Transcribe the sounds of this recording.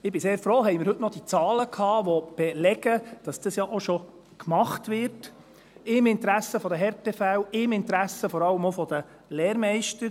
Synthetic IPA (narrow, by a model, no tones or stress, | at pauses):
ɪbɪseːɾfɾoːɦɛɪmɪɾhɵtnɔd̥it͡sɑːləkʰhɑːʋɔb̥ɛlɛɡəd̥ɑsd̥əsjɑʔoʃɔ | kmɑχtʋɪɾt | ɪmɪnt̪ɾæsːəfɔd̪əɦɛɾtɛfɛwɪmɪnt̪ɾæsəfɔɾɑlːəmofɔd̥̪ə | lɛːɾmɛɪʃtəɾ